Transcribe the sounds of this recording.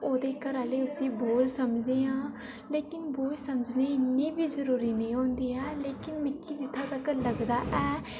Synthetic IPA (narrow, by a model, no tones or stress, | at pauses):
oːd̪eːkəɾaːleːʊsĩːboːlsəmd͡ʒd̪eːɦãː | leːkɪnboːlsəməd͡ʒneːɪnːiːbiːzəɾuːɾiːnəĩːɦõːnd̪iːɛːleːkɪnmɪkːiːd͡ʒɪt̪ʰːaːt̪akələɡd̪aːʔɛː